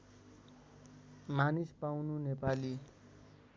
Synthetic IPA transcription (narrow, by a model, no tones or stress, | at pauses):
manispawnunepali